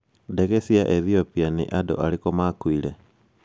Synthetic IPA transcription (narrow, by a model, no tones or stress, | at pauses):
dɛɣɛsiaʔɛθiopianḭʔadɔ̰ʔalikɔmakwilɛ